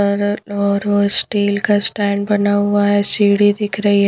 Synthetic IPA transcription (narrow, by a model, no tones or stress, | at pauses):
ɾɔɾosʈiːlkasʈæɳɖbənaʋaesiɽid̪ikʰɾəi